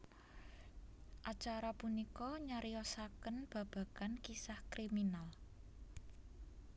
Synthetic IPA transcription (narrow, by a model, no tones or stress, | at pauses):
ʔat͡ʃaɾapunikɔɲaɾiɔsakənb̥ä̤b̥ä̤kankisahkɾiminal